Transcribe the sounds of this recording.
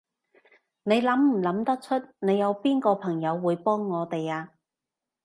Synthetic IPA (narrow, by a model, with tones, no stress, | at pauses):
ne˨˧jlɐ˨˥mm̩˨˩lɐ˨˧˥mt̪ɐ˥k̚t͡ʃʰɵ˥t̚ne˨˧jːɐ˨˧wpiː˥nkɔː˧pʰɐ˨˩ŋjɐ˨˧wːuː˨˧jpɔː˥ŋːɔː˨˧t̪e˨jaː˧